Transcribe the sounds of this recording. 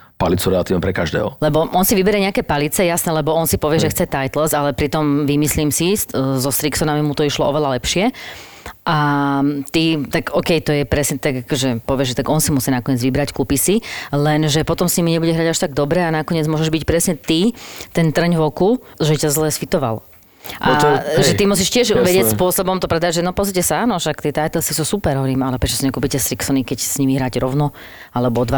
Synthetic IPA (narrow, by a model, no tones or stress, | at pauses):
palit͡suɾɛlat̪iːʋnɛmpɾɛkaʒd̪ɛ̰ːɦɔ̰lɛbɔʔɔnsiʋibɛɾɛɲɛakɛːpalit͡sɛjasnɛlɛbɔɔnsipɔʋɪɛʒɛxt͡sɛt̪ajt̪lzalɛpɾit̪ɔmʋimisliːmsiszɔst̪ɾiksɔnamimut̪ɔiʃlɔʔɔʋɛlalɛpʃɪɛ | ʔat̪it̪aɡɔkɛjt̪ɔjɛpɾɛsɲɛt̪aɡakɔʒɛpɔʋɪɛʒt̪aɡɔnsimusinakɔɲɪɛd͡zʋibɾackupisilɛnʒɛpɔt̪ɔmsɲimiɲɛbuɟɛɦɾaɟaʃt̪aɡ̚d̪ɔbɾɛanakɔɲɪɛd͡zmʊɔʒɛʒbicpɾɛsɲɛt̪it̪ɛnt̪r̩ɲvɔku | ʒɛicazlɛːsfit̪ɔʋa̰l | ʔaʒɛt̪imusiʃcɪɛʒʋɛɟɪɛcspʊɔsɔbɔmt̪ɔpɾɛd̪aɟʒɛnɔpɔzicɛsaaːnɔʃak̚t̪ɪɛt̪ajt̪ɛlsisusupɛɾɦɔɾiːmalɛpɾɛt͡ʃɔ̥siɲɛkuːpicɛst̪ɾiksɔnikɛcsɲimiɦɾaɟɾɔʊnɔ | alɛbɔɔd̪ʋa